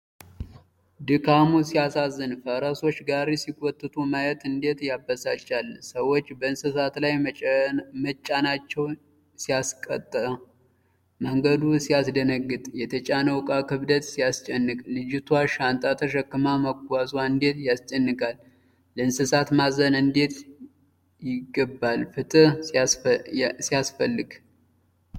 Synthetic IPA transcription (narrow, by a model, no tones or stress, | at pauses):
d̪ɨkʰamusijasazːɨnfəɾəso̞t͡ʃːɡaɾesikʼɔt̪ʼːɨt̪ʰumajɛt̪ɨnd̪e̞t̪jabəsat͡ʃːalsəwo̞t͡ʃːbəɨnsɨsat̪laj | mət͡ʃʼːanat͡ʃːɛw | sijaskʼət̪ʼːəə | məŋɡəd̪usijasd̪ənəɡːɨt̪ʼjɛt̪ʰət͡ʃʼanəwkʼakɨβd̪ət̪sijast͡ʃʼɛnːɨkʼlɨd͡ʒɪt̪ʰwaʃant̪ʼat̪ʰəʃ̬əkːɨmaməɡazwaɨnd̪e̞t̪jast͡ʃʼɛnːɨkʰʼalː | əɨnsɨsat̪mazənɨnd̪e̞t̪ | jɪɡəbːalfɨt̪ʼɨ | sijasfəlːɨɡ